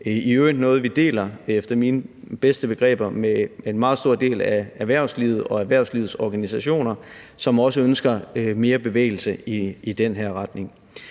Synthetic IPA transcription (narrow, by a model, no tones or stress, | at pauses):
iøːd̥nɔ̽ːð̞̩ˠʋid̥e̝̰ːlɐefd̥ɐmiːnəb̥esd̥əb̥e̝ɡ̥ʁɛ̰ːb̥ɐmeenmɑ̈ːð̩ˠsd̥o̝ɐ̰d̥e̝̰ːlææʋæɐ̰ʊsliːʊð̞̩ˠɒ̽æʋæɐ̰ʊsliːð̩ˠsɒɡ̥ænisæɕo̝̰ːnɐ | sɒ̽mɒ̽səønsɡ̥ɐme̝ːɐb̥e̝ʋḛːɪl̩səiid̥enɦæɐ̰ʁɑ̈d̥ne̝ŋ